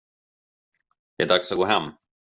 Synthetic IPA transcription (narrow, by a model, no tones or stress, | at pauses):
jɑɛdaksɔɡoːɦɛmː